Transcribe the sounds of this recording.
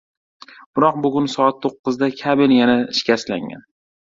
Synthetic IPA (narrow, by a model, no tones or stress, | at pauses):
b̥ɪɾɒq̚bʊɡʲʊnsɒat̪ʰːoqːɨzd̪akʲʰabɪnjanaɪʃkʲasla̰ŋa̰n